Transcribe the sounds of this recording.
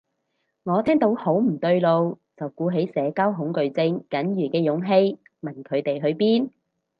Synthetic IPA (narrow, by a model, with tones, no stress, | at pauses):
ŋɔː˨˧t̪ʰɛː˥ŋt̪o˨˥who˨˥wm̩˨˩t̪ɵ˧ɥlo˧w | t͡sɐ˨wkuː˨˧˥ɦe˨˥jsɛː˨˧kaː˥wɦʊ˨˥ŋkɵ˨˧ɥt͡sɪ˧ŋkɐ˨˥njyː˨˩kɛː˧jʊ˨˧˥ŋɦe˧˥j | mɐ˨˩nkʰɵ˨˧ɥt̪e˨jɦɵ˧ɥpiː˥n